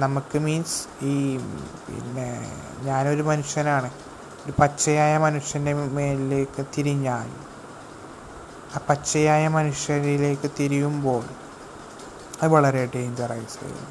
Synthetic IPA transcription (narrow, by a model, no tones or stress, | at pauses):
nɐmukːɨmiːnsiːpḭnːe̞̰ | ɲaːno̞ɾumɐnuʂjɐnaːɳɨ | oɾupɐt͡ɕːɐjaːjɐmɐnuʂjɐnde̞meːlile̞ːkːɨt̪iɾiɲːaːl | aːpɐt͡ɕːɐjaːjɐmɐnuʂjɐɾile̞ːkːɨt̪iɾijumbo̞ːɭ | ɐðɨʋɐɭɐɾeɖejind̪ɐrɐ̰jisːɐ̰ɐ̰ṵnː